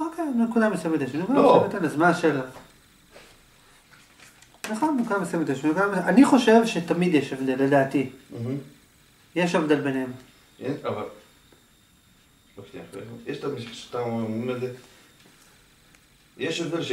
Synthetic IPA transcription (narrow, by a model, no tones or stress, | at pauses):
okejnekud̪amesamid̪jeʃnekud̪amosmit̪enazmaʃela | naχonnekudamesamet̪jeʃnekud̪amʔaniχo̞ʃe̞vʃet̪amid̪jeʃavd̪elːed̪aːt̪im̩ɦ̩ | jeʃavd̪elbenhem | eaval | lokt̪ḭmfḛjeʃt̪amiʃiʃt̪ammuneze | jeʃavd̪elʃ